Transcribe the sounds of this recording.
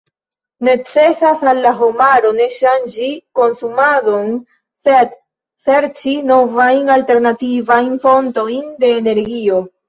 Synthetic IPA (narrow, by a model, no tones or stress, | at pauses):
ne̞t͡se̞sasalːaɦo̞maɾo̞ne̞ʃand͡ʒiko̞nsumadon | se̞d | se̞ɾt͡ʃino̞vajnalte̞ɾnativajnfo̞nto̞jnde̞ːne̞ɾɡio̞